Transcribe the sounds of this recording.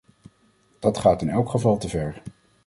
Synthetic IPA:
d̥ɑtχaːtɪnɛlˠkχəvɑlˠtəvɛɹ

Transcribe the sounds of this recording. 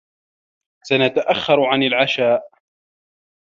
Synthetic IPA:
sanat̪aʔaxːɑɾˤʕanalʕaʃaːʔ

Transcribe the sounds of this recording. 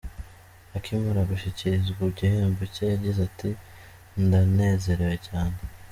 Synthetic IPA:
akʰimuɾaɡuʃiciɾizɡuɟiheumbucejaɟizati | ndane̞ːze̞ɾewecaːne

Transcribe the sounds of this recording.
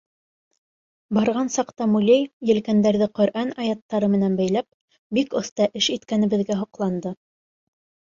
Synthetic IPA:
bɑɾʁɑnsɑqt̪ɑmulʲejjɘ̆lkænd̪æɾðɘqɵ̆ɾʔænɑjɑt̪ːɑɾɤmɘ̆nænbæjlæp̚ | bikŏθt̪ɑʔɘʃit̪kænɘ̆βɘ̆ðɡæɦŏqlˠɑnd̪ɤ

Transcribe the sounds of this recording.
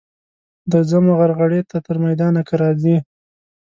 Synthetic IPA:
d̪əzamoɣaɾɣaɽet̪at̪əɾmajd̪ɑnakeɾɑzi

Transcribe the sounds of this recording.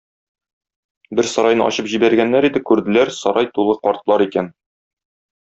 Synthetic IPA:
bɘɾsɒɾɑjnɤʔɒ̰ɕɤpʑibæɾɡænːæɾid̪ɘkʉɾd̪ɘ̆læɾsɒɾʔɑjt̪ulˠɤqɒɾt̪lˠɑɾikæn

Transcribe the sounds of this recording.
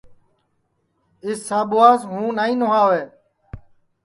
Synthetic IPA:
ɪsːaːɓʊaːzɦũːnaːĩːnʊɦaːʋeː

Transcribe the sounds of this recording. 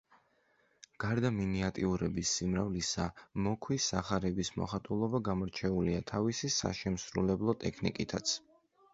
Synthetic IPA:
ɡ̥aɾd̪aminiat̪ʼiuɾɛbisːimɾavlisamɔkʰwisːaχaɾɛbismɔ̰χat̪ʼulˠɔbaɡamɔɾt͡ʃʰɛuliat̪ʰavisisa̰ʃɛmsɾṵlɛblˠɔt̪ʼɛkʰnḭkʼit̪ʰa̰t̪sʰ

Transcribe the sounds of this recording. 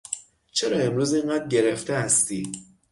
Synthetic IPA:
t͡ʃʰe̞ɾɒːe̞mɾuːzeɴɢæːd̪̚ɟe̞ɾe̞ft̪ʰeæst̪iː

